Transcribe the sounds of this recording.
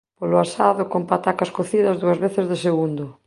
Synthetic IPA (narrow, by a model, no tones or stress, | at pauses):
polʊasaðʊkompat̪akɐskoθiðɐzðuɐzβeθɪzðɪseɣund̪ʊ